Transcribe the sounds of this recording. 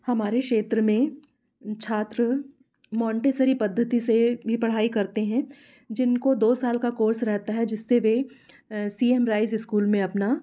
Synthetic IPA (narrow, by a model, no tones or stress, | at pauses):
hɐmaːɾekʃeːt̪ɾəmẽ | t͡ʃʰaːt̪ɾə | mɔ̃ːɳʈeːsəɾipɐd̪ʱːət̪isebʱipɐɽ̤aːikɐɾt̪eɦɛ̃ | d͡ʒɪnkod̪oːsaːlkakoːɾsɾɛɦt̪aɦɛd͡ʒɪsːeʋe | siːemɾaːɪzɪskuːlmẽɐpna